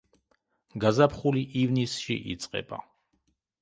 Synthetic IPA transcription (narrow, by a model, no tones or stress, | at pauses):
ɡazapʰχuliʔivnisʃḭʔḭt̪sʼqʼɛ̰ba̰